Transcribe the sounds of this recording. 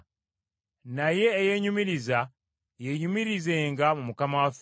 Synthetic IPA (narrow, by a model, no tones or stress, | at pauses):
naje̞ːje̞ɲumiɾiza | jeɲumiɾize̞ːŋɡamumukamawaf